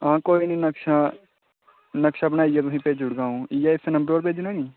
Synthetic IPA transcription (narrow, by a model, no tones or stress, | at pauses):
ãːkoːiːnĩːnəkʃaː | nəkʃaːbənaːijaːt̪ʊsĩːpeːd͡ʒʊɽɡãːũːijaːɪsenəmbɾoːɾpeːd͡ʒnãːnĩː